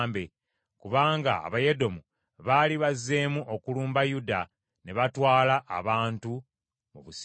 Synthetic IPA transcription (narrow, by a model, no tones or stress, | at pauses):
mbe̞ | kuβaːŋɡa̰a̰βaje̞do̞mu | βaliβazːe̞ːmuʔokuluːmbajuda | ne̞βatwaːlaʔːβaːntu | muβus